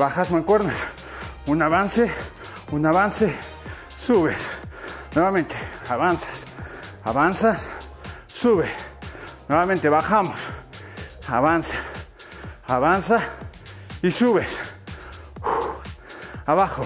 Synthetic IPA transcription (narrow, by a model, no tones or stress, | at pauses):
βaxasmaŋkweɾnas | unaβanse | unaβanse | suβesnoɾmamẽnt̪e̥aβansḁs | aβansas | suβesnoɾmamẽnt̪eβaxamos | aβansḁ | aβansa | isuβes | aβaxo